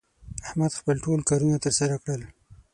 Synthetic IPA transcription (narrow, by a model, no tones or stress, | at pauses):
ahmad̪xpəlʈolkɑɾunat̪əɾsaɾakɽəl